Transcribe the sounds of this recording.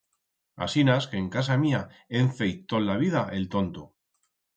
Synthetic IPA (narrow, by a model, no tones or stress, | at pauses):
a̰sinaske̞ːŋkas̬amiaeɱθejt̪ollaβiðaʔe̞lt̪o̞nt̪o